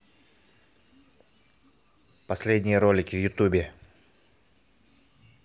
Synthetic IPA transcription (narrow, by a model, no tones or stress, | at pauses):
pɐsʲlʲedʲnʲɪjəɾo̞lʲɪkʲɪvjʊt̪ubʲɪ